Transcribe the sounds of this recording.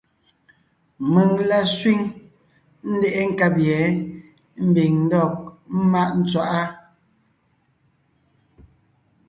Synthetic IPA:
mə˨ŋla˦swi˦ŋ | n̩˦dɛ˦ʔɛ˦ŋ̩˦ka˦pjɛ˨˦ | m̩˦bi˨ŋn̩˦dɔ˦˨k̚m̩˦ma˦ʔn̩˦t͡swa˦ʔa˦

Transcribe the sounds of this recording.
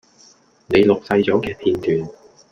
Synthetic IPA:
ne˨˧jlʊ˨k̚sɐ˧jt͡sɔː˨˥kɛː˧p̪ʰiː˧nt̪yː˨n

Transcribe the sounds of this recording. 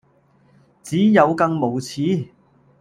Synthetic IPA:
t͡siː˨˥jɐ˨˧wkɐ˧ŋmo˨˩wt͡sʰiː˨˥

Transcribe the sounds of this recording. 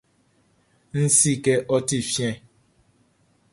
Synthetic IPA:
n̩˦si˦ke˦ʔɔ˦ti˦˨fjɛ̃˦

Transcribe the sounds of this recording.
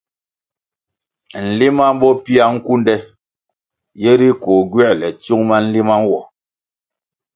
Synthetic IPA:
n̩˨li˦ma˦m˦bɔ˦pi˦a˦ŋ̩˦ku˦n˦dɛ˦ | je˦ɾi˦ko˨ɡɥɛ˦ʔlɛ˨t͡su˦ŋma˦n̩˦li˦ma˦m˦wɔ˨

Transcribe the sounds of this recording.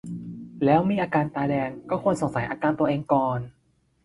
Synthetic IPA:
lɛː˦˥wmiː˧ʔaː˧kaː˧nt̪aː˧dɛː˧ŋkɔː˥˩kʰu˧ənso˨˩˦ŋsa˩˦jʔaː˧kaː˧nt̪u˧ɐʔeː˧ŋkɔː˨˩n

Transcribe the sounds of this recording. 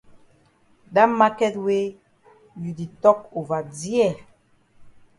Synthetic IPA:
da˦mːa˦kɛ˦twe˦ | ju˨di˨tɔ˦k̚u˨va˨di˦ɛ˦˨

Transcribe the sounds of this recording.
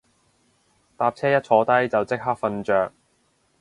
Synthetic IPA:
t̪aː˧p̚t͡sʰɛː˥jɐ˥t̚t͡ʃʰɔː˨˥t̪ɐ˥jt͡sɐ˨wt͡sɪ˥k̚ɦaː˥k̚fɐ˧nt͡ʃœː˨k̚

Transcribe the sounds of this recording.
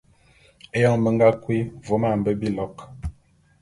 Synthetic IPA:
e˦jɔ˦mə˨ŋɡa˦kwi˦vo˨˦ma˦˨m̩˨bə˦bi˦lɔ˨˦k

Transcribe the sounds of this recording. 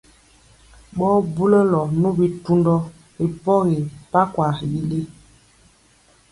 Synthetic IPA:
ɓɔ˦bu˦lɛ˦lɔ˨nũ˦bi˨tu˦ndɔ˦ | ɣi˨pɔ˦ɣi˨pa˦kwa˨ji˨le˦

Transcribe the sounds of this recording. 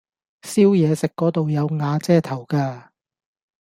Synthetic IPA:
siː˥wjɛː˨˧sɪ˨kːɔː˨˥t̪o˨wjɐ˨˧wŋaː˨˧t͡sɛː˥˩t̪ʰɐ˨˩wkaː˧

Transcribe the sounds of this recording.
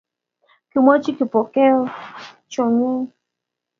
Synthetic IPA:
ki˨mɔ̃˦t͡ʃi˦ki˨pɔ˨kɛ˦˧ | t͡ʃɔ˨ɲĩ˦

